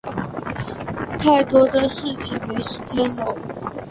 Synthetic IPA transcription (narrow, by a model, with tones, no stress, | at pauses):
t̪ʰa˥˩ɪt̪wɔ˥d̪ə˨ʂɻ̩˥˩t͡ɕʰi˨˩mɛ˧˥ʂ̩˥t͡ɕɛ˥nno˧˥ʊ